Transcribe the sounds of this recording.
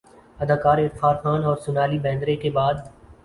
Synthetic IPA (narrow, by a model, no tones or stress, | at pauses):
əd̪ʱaːkaːɾɪɾfaːɾxaːnɔːɾsʊnaːliːbɛ̃ːnd̪ɾekebaːd̪